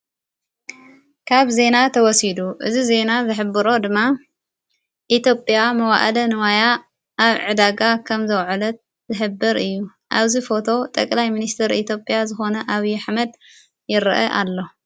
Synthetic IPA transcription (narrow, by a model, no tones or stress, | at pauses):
kʰaβze̞nat̪ʰɐwɔsid̪uʔɨzize̞nazɨħɨbːɨɾo̞d̪ɨmːa | ʔit̪jo̞pʼjamɐwa̰ʔɐlɐnɨwaja | ʔaβʕɨd̪aɡakʰɐmzɐwʕlɐt̪̚ | zɨħɨbːɨɾɨjːu | ʔaβzifo̞t̪ʰo̞t̪ʼɐkʼlajminist̪ʰɨɾḭt̪ʰjo̞pʼjazɨxo̞nɐʔaβiaħmɐd̪ | jɪɾʔɐ̰ʔa̰lːo̞